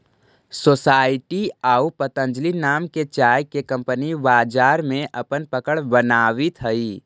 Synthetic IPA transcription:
soːsaːɪʈiaːupət̪ə̃ɲd͡ʒlinaːmket͡ʃaːjkekə̃mpənibaːd͡ʒaːɾmẽʔɐpənpəkəɽbənaːʋit̪ɦəi

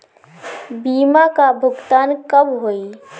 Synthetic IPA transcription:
biːmakabʱʊɡt̪aːnkəbɦoːi

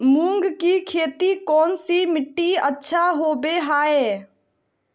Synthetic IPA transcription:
mũːŋɡkiːkʰeːt̪ikɔːnsimɪʈːiətːʃʰaɦoːbeːɦaːeː

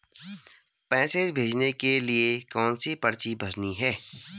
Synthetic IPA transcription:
pɛ̃ːseːd͡ʒbʱeːd͡ʒnekeliekɔːnsipɐɾt͡ʃibʱɐɾniɦɛː

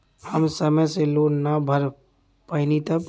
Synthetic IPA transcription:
həmsəməseloːnnabʱəɾ | pəɪnit̪əp

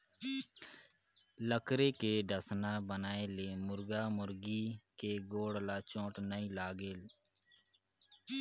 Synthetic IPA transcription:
ləkɾeːkeːɖəsnaːbənaːeːleːmʊɾɡaːmʊɾɡiːkeːɡoːɽlaːt͡ʃõːʈnəĩlaːɡeːl

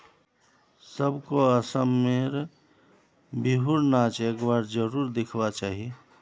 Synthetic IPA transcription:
səbkoəsəmːeɾ | biɦuɾnat͡ʃeːkbaːɾd͡ʒəɾuːɾd̪ɪkʰwat͡ʃaːɦie

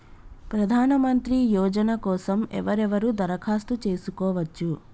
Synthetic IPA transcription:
pɾɐd̪ʱaːnɐmɐnt̪ɾijɔːd͡ʒɐnɐkɔːsɐmɛ̰ʋɐɾɛʋɐɾud̪ɐɾɐkʰaːst̪ut͡ʃe̞ːsukɔːʋɐt͡ʃːu

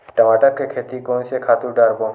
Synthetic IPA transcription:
ʈɐʋaːʈəɾkekʰeːt̪ikoːnsekʰaːt̪uɾɖaːɾpõ

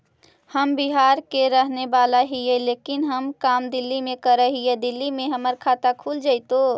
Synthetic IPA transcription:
həmbiɦaɾkeɾəɦnebalaɦijɛlekinɦəmkamd̪ilːimẽkəɾəɦijɛd̪ilːimẽɦəməɾkʰat̪akʰuld͡ʒaɪt̪o

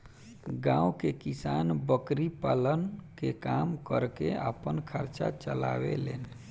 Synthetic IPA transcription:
ɡãwkekisanbəkɾipalənkekamkəɾkeə̰pənkʰəɾt͡ʃa̰t͡ʃəla̰bḛlḛn

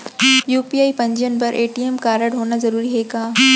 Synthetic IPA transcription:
juːpiːaːipɐ̃ɲd͡ʒiənpɐɾʔeːʈiːemkaːɾəɽɦoːnazɐɾuːɾiɦeːkaː

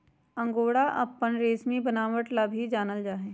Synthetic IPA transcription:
ɐ̃ŋɡoːɽaʔɐ̰pːənɾeːsmibənaːʋəʈlabʱid͡ʒaːnəld͡ʒaːɦeː

